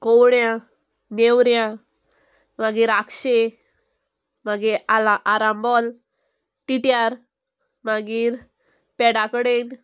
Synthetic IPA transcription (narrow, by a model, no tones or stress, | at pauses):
kɔwɳjã | newɾjã | maɡiːɾakɕe | maɡeaaʔaɾambɔl | ʈiʈjaɾ | maɡiːɾ | pɛɽakəɽen